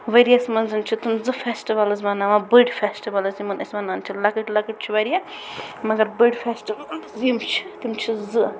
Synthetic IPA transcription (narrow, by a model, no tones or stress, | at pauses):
ʋɐɾijasmɐnzɨnt͡ʃʰit̪umzɨfesʈiʋɐlɐzmɐnaʋabəɖfesʈiʋɐlɐzimɐnɐsʲmɐnaːnt͡ʃʰilɐkɨʈʲlɐkɨʈ̚ʲt͡ʃʰiʋɐɾija | mɐɡɐɾbɨɖfʰesʈiʋalzimt͡ʃʰi̥t̪ɨmt͡ʃʰizɨ